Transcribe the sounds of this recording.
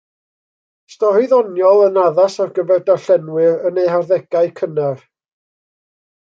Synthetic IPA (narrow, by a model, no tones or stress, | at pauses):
stɔhiðɔnjɔlˠənaðasarɡəvɛrdaɬɛnwɪrənejharðɛɡaɨkʰənɛr